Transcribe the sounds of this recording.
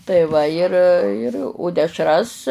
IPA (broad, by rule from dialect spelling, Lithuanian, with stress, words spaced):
tɐɪ ˈʋɐ ɪr ɪr oː dʲɛʃˈrɐs